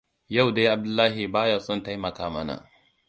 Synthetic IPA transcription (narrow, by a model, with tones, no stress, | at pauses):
ja˦˨wda˦ʔa˨b̚dʊ˦lːaː˦ɦi˨baː˦ja˨sʼʊ˦nta˦jmɐ˨kaː˨mɐ˦na̰˨